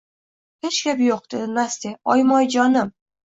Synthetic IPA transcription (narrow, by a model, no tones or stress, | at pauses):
het͡ʃkʲapjoq̚d̪̥ed̪mast̪eɒjmɒjd͡ʒɒnɪm